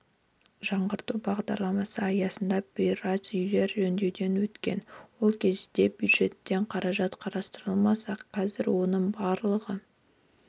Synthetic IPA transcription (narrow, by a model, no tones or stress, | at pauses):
ʒɑɴʁəɾt̪ubɑʁd̪ɑɾlˠɑmɑsəɑjɑsənd̪ɑbʲijrazʏjle̞ɾʒɵnd̪e̞wd̪e̞nwɵt̪kʲe̞nwo̞lˠkʲʰe̞zd̪e̞bjud̪ʒe̞t̪ːe̞ɴqʰɑɾɑʒɑt̪qʰɑɾɑst̪əɾəlˠmɑsɑqʰːɑzɪɾwo̞nəɴbɑɾlˠəʁə